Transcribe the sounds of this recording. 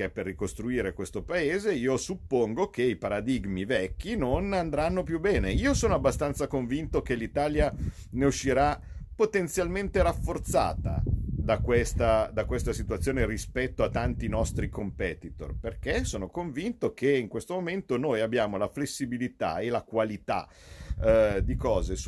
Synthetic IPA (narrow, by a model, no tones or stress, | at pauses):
ɛpːerːikost̪ɾuiːɾekwest̪opaeːzeiːosupːoŋɡok̟eipaɾad̪iɡmivɛkːinonand̪ɾanːopjubːɛːneiːosoːnoabːast̪ant̪sakoɱvint̪okelit̪aːlja | neuʃːiɾa | pot̪ent̪sjalment̪eɾafːort̪sa̰ːt̪a̰d̪akwest̪ad̪akwest̪asit̪uat̪sːjoːnerispɛt̪ːoat̪ːant̪inɔst̪ɾikompɛːt̪it̪o̰rperk̟esoːnokoɱvint̪okeiŋkwest̪omoment̪onoːjabːjaːmolaflesːibilit̪a̰elakwalit̪a̰ | d̪ikɔːzes